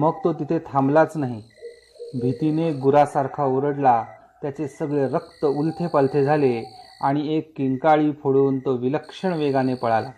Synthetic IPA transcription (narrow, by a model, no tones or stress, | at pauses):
məɡt̪ot̪it̪ʰet̪ʰamblat͡snaɦi | bʱit̪ineɡuɾasaɾkʰaoɾəɽla | t̪jat͡sesəɡɭeɾəkt̪əult̪ʰepalt̪ʰed͡zʱaleaɽ̃iekːiŋkaɭiːpʰoɽuːnt̪oʋiləkʂəɳʋeɡanepəɭala